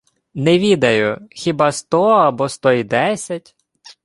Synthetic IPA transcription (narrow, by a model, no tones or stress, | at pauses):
nɛʋʲid̪ɐjʊxʲibɑst̪ɔɐbɔst̪ɔid̪ɛsʲɐtʲ